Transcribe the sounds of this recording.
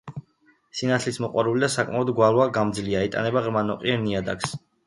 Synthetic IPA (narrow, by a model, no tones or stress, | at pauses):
sinat̪ʰlismɔqʼwaɾulid̪asakʼmaɔd̪ɡwalˠwaɡamd̪zliaɛt̪ʼa̰nɛbaʁɾmanɔqʼḭɛɾniad̪a̰ks